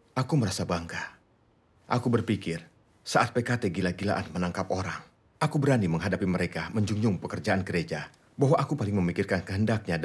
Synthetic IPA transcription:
akuməɾasabaŋka | ʔakubərpikɪr | saʔat̪̚pekat̪eɡilaɡila̰ʔanmənaŋkap̚oɾaŋ | ʔakubəɾaniməŋɦadapiməɾekaməɲd͡ʒuŋd͡ʒʊŋpəkərd͡ʒaʔanɡəɾed͡ʒa | baɦwaʔakupalɪŋməmikɪrkankəɦəndak̚ɲa

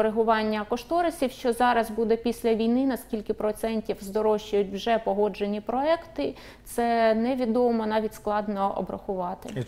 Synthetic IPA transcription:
ɾeɦʊʋɑnʲːɐkɔʃt̪ɔɾɐsʲiwʃt͡ʃɔzɑɾɐzbud̪ɛpʲisʲlʲɐʋʲijnɪnɐsʲkʲilʲkɪpɾɔt̪sɛnʲtʲiwzd̪ɔɾɔʃt͡ʃʊjʊt̚ʲwʒɛpɔɦɔd͡ʒenʲipɾɔɛkt̪ɪ | t̪sɛnɛʋʲid̪ɔmɔnɑʋʲitʲsklˠɑd̪nɔɔ̰bɾɐxʊʋɑt̪ɪ

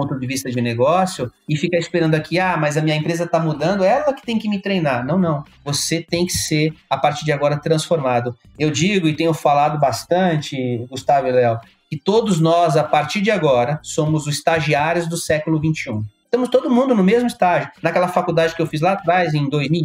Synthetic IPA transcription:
põnt̪ʊd͡ʒɪvist̪ɐd͡ʒɪneɡɔsjʊɪfikɐispeɾɐ̃nd̪ʊakʰiamɐzɐmĩɲɐẽmpɾezɐt̪amud̪ɐ̃nd̪ʊɛlɐkɪ̥t̪ẽj̃kɪmɪt̪ɾejnaɾnɐ̃w̃nɐ̃w̃ | voset̪ẽj̃kɪseɾapaɾt͡ʃiɾd͡ʒɪaɡɔɾɐt̪ɾɐ̃sfoɾmad̪ʊ | ewd͡ʒiɡʊɪt̪ẽjɲʊfalad̪ʊbast̪ɐ̃t͡ʃɪɡust̪avʊlɛw | kɪt̪od̪ʊznɔzapaɾt͡ʃiɾd͡ʒɪaɡɔɾɐsõmʊzʊzist̪aʒiaɾjʊzd̪ʊsɛkʊlʊvĩnt͡ʃɪũst̪ɐ̃mʊst̪od̪ʊmũnd̪ʊnʊmezmʊist̪aʒʊnɐkɛlɐfakuwd̪ad͡ʒɪkɪewfizlaːt̪ɾajzẽj̃d̪ojzmiw

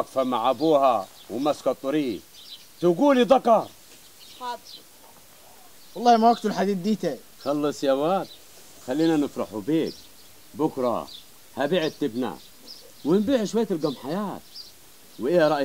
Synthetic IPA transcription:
akfamaʕʔabuːha | wɪmaskɑt̪ˤːɑɾiː | t̪ɪɡuːlid̪ˤɑkɑɾˤ | wɑlˤːɑːhmawaɡ̚t̪ʊlħad̪iːd̪̚d̪iːt̪a | xɑlːɨsˤjawaːt̪̚ | xalːiːnanɪfɾɑ̰ħubiːk | bʊkɾˤɑ̰ | habiːʕɪt̪ːɪbna̰ | wɪnbiːʕʃwajːat̪ɪlɡɑmħajaːt̪̚ | wɪʔɪjaɾˤɑʔ

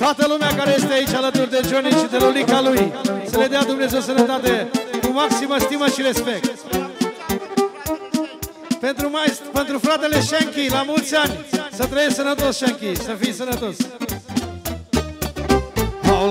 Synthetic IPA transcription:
t̪at̪ɐlumakaɾɐest̪eait͡ʃalət̪uɾd̪ed͡ʒonit͡ʃid̪elolikalujsəled̪ead̪umnezewsənɐt̪at̪ekʊmaksimɐst̪imɐʃiɾespɛk̚t̪ | pent̪ɾumajzpẽnt̪ɾufɾat̪eleʃeŋkilamult̪sanʲisɐt̪ɾɐjesɐnɐt̪osʃeŋkisɐfijsɐnɐt̪os | pa

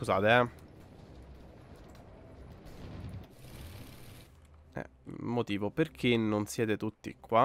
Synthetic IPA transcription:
kuzaːt̪eɛ | ɛ̰ | mːot̪iːvoperk̟ʰinonsjɛːt̪et̪ut̪ːḭkːwa

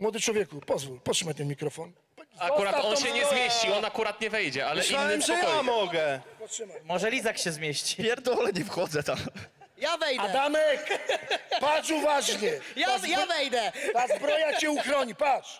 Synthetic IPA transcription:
mwɔd̪ɨt͡ʃwɔvʲjɛkupɔzvupɔʃɨmat̪ɛ̃mʲikɾɔfɔn | pakuɾat̪aɔnʃɛɲɛzmʲjeɕt͡ɕiɔnakuɾat̪ɲɛvɛjd͡ʑɛalɛisanːmzjamɔɡɛpɔsmmɔʒɛlʲizakɕɛzmʲjeɕt͡ɕi̥pʲjɛɾd̪ɔlɛɲɛvxɔd̪zɛt̪am | javɛjd̪aɛ̃d̪amɛk | paʃuvaʒɲejajavɛjd̪ɛd̪azbɾɔjat͡ʃeukɾɔɲipat̪ʃ

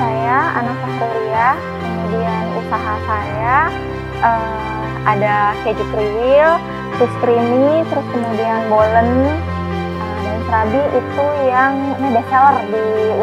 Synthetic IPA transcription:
sajaa̰naksakɾoɾia | kəmudianusaɦasaja | ʔə | adaked͡ʒukɾiwɪl | tust̪ɾinit̪əɾʊskəmudianbolən | ədansɾabiʔit̪ujaŋmabat͡ʃalərdi

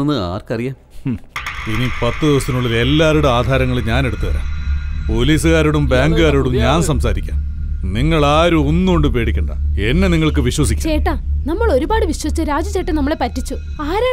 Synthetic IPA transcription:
onːɨa̰ːrkɐrijaːm | inipɐt̪ːɨðiʋɐst̪inuɭːɐðe̞lːaːɾoɽeaːd̪ʱaːɾɐŋːɐɭeɲaːne̞ɽut̪ːuʋɐ̰ɾa̰ːpo̞liːsɨɣaːɾoɽumbaːŋɡɨɣaːɾoːɽumɲaːnsɐmsaːɾikʲːa̰ː | niŋːɐɭaːɾuunːuoɳɖɨpe̞ːɽikʲːɐɳɖɐ̰e̞nːe̞niŋːɐɭkɨʋiɕwɐs̬ikʲːt͡ɕeːʈːaːnɐmːɐɭo̞ɾubaːɽɨʋiɕwɐsi̥t͡ɕːɨɾaːd͡ʑut͡ɕeːʈːɐnɐmːɐɭe̞pɐtːit͡ɕːu | aːɾaː

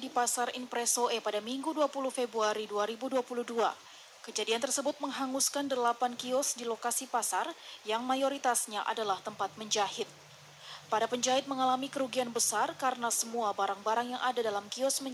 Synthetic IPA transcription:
dipasarinpɾɛsoepadamiŋɡuduapuluhfebɾuaɾiduaɾibuduapuluhdua̰ | kəd͡ʒadiant̪ərsəbʊt̪̚məŋɦaŋuskandəlapankiɔsdilokasipasarjaŋmajoɾit̪asɲaʔa̰dalaht̪əmpat̪̚məɲd͡ʒahɪt̪̚ | padapəɲd͡ʒaɦɪt̪̚məŋalamikəɾuɡianbəsarkaɾənasəmuabaɾaŋbaɾaŋjaŋʔadadalamkiɔsmə

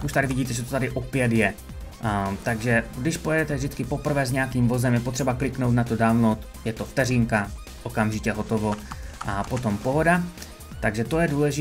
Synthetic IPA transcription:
kuʃt̪adɪvɪɟiːt̪ɛʒɛt̪ot̪adɪʔopjɛd̪jɛ | t̪aɡʒɛɡdɪʃpo̞jɛdɛt̪ɛvʒdɪt͡skɪpo̞pr̩vɛːzɲɛakiːmvo̞zɛmjɛpo̞t̪r̥ɛbaklɪknowt̪̬nat̪odaːlnot̪ | jɛt̪oft̪ɛriːŋka | ʔokamʒɪcɛɦot̪ovo̞ʔapot̪o̞mpo̞ɦo̞da | t̪aɡʒɛt̪o̞jɛduːlɛʒɪ

